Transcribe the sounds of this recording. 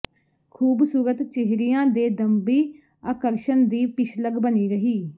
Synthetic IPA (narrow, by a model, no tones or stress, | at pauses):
kʰuːbsuːɾət̪t͡ʃeɦɾijãːd̪eːd̪əmbiː | əːkəɾʃənd̪iːpɪʃləɡbəniːɾəɦiː